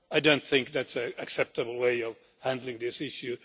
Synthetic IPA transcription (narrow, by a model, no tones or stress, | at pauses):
aɪdõʊ̃nt̪θɪ̃ŋk̚ðætsɨɨksɛp̚tɨbl̩ˠweɪʌv̥ | hæ̃ndˡlɪ̃ŋðɪsɪʃjʉ